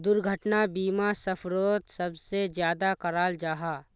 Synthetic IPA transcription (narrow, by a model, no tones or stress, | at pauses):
d̪ʊɾɡʱəʈnabiːmasɐpʰɾoːt̪sɐbsezjaːd̪akɐɾaːld͡ʒaːɦaː